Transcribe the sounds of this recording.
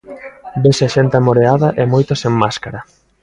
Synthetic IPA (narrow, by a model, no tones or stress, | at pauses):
besaʃent̪ɪamoɾeaðɐʔemojt̪oseŋmaskaɾa